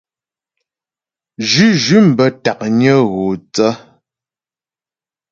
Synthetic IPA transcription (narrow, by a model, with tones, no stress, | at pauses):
d͡ʒʉ˦ʒʉ˦m̩˨bə˨ta˨k̚ɲə˦ɣo˨t͡sə˦